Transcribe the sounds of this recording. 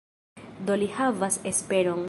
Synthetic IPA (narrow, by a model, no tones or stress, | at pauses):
d̪olihavasespe̞ɾoŋ